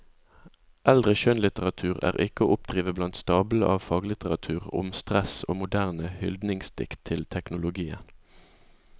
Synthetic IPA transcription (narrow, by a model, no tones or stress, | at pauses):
ʔɛld̪ʁəʃœnlɪt̪əʁɑt̪ʰʉːʁæ̰ːʁɪkəoːʔʊpd̪̥ʁiːʋəblɑnt̪st̪ɑːbləʔɑːʋfɑːɡlɪt̪əʁɑt̪ʰʉːʁʊ̰mst̪ʁɛso̰ːmʊd̪æʁnəhʏld̪nɪŋst̪ɪ̰kt̪ʰɪlt̪ʰɛknʊlʊɡiːə̰n